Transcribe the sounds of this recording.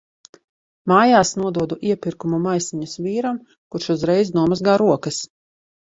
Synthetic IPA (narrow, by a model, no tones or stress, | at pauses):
maːjaːsnuɔd̪uɔd̪uʔiɛpʲiɾkumumajsiɲusviːɾam | kuɾʃuzɾɛjznuɔmazɡaːɾuɔkɐs